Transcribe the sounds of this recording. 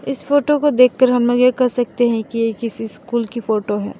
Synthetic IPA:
ɪsfoːʈokod̪eːkʰːɐɾɦɐmmɐ̃ɡekɐɾsɐk̚t̪eɦɛ̃kieːkɪsiskuːlkifoːʈoɦɛ̰ː

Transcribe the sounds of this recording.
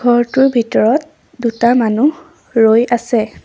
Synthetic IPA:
ɡʱɔɹtʊɹbʱitɔɹɔt̚ | dutamanu | ɹojasɛ

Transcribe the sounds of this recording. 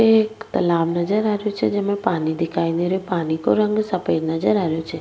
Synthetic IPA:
ekt̪əlabnəd͡ʒəɾaɾjot͡ʃʰḛd͡ʒemẽpanid̪ikʰaineɾopanikoɾəŋɡsəped͡ʒnəd͡ʒəɾaɾjot͡ʃʰe

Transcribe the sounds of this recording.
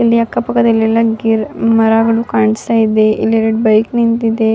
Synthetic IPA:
eliakːapəkət̪ilelaɡiɾməɾaɡɽukaɳɖsaid̪eʔḭleɾeʈ̚bəjknint̪id̪e

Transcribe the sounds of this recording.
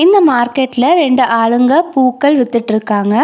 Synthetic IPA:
inːɐmaːrkeʈːɪlɾeɳɖɨʔaːɭɯŋɡɐpuːkːɐɭʋɛt̪ːiʈːiɾɯkːaːŋɡɐ

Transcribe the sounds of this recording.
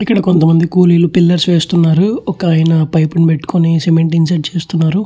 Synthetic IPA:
ikːɐɽɐko̞nt̪ɐmɐnd̪ikuːliːlupilːɐɾsʋeːst̪unːaːɾuɔkaːjɐnɐpɐjpɐnpeʈːu̥kʰonisemeɳʈins̬ɐʈ̚t͡ʃe̞ːst̪unːaːɾu

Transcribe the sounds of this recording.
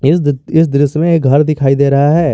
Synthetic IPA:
ɪsɪs̬d̪ɪɾɪsmẽeːkɡʱɐɾd̪ɪkʰaːid̪eːɾɐɦaɦɛː

